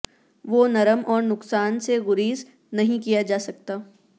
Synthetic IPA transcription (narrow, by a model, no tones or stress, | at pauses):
ʋoːnɐɾəmʔɔːɾnʊksaːnseɣʊɾiːz | nɐɦĩkijad͡ʒaːsɐk̚t̪aː